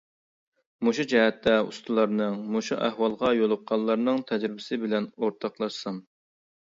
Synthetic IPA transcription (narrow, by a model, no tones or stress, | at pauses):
moʃud͡ʒɛɦɛt̪ʰːɛṵst̪ʰulˠɑɾnɨŋmoʃuʔæhwɑlˠʁɑjolˠʊqʰːɑlˠːɑɾnɨŋt̪ʰɛd͡ʒɾɪbɪsɪbɪlɛnoɾt̪ʰɑqlˠɑʃsɑm